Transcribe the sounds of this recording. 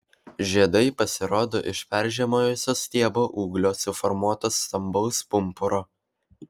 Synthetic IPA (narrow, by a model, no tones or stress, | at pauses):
ʒʲiɛd̪ɐɪpɐsʲɪɾoːd̪oːʔɪʃpʲɛɾʲˑʒʲɛmoːjoːsʲoːsʲt̪ʲiɛboːʔuːɡlʲoːsʊfɔɾmuɔt̪oːsːt̪ɐmbɐʊspʊmpʊɾoː